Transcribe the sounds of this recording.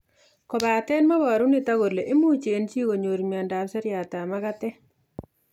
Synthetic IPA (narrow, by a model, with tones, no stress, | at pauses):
kɔ˨ba˨tɛ˦nmɔ˦bɔ˨ɾu˦nɪ˨ta˦ɡo˨ɾle˨ʔɪ˦mu˦t͡ʃe˨nt͡ʃi˦ɡo˨ɲo˨ɾmi˨a˨nda˨bsɛ˦ɾja˨ta˨ma˦ka˦tɛ˦